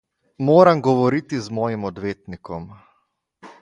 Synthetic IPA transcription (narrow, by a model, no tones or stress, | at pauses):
moːɾamɡɔʋɔɾiːt̪izmɔːjimɔd̪ʋeːt̪nikɔm